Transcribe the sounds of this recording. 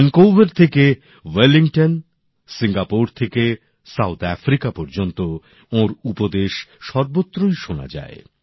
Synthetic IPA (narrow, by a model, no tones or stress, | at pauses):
nkowveɾt̪ʰeke | weliŋʈon | siŋɡapoɾt̪ʰeke | sawt̪ɛ̰fɾikapɔɾd͡ʑont̪o | oɾupod̪eʃʃɔɾbot̪ːɾojʃona̰d͡ʑa̰e